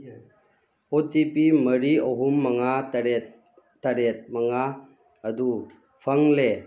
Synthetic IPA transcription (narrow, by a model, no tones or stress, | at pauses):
otipiməɾioɦumːɐŋaɾ | taɾet̪̚maŋaː | d̪u | pʰɐŋle